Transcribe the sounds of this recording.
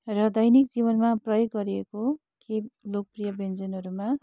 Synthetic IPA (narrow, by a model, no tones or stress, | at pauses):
rʌd̪ʌjnikd͡zibʌnmaprʌjoɡːʌɾieko | kʰelok̚prijʌbend͡zʌnɦʌɾuma